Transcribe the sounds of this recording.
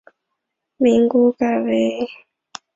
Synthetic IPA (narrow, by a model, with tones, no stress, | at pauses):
mi˨ŋɡu˦ka˨βe˦